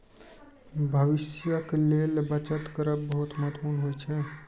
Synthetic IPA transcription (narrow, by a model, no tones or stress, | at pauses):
bʱəʋɪsjəkelelbət͡ʃət̪kəɾəb̚bəɦut̪məɦt̪puːnɦojt͡ʃʰɛ